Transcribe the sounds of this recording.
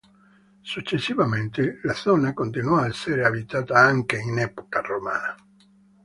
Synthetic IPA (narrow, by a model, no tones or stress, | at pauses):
sut͡ʃːesːivament̪elaθɔnakont̪inwɔaseɾeabit̪aːt̪aaŋkeinɛpo̥karomaːna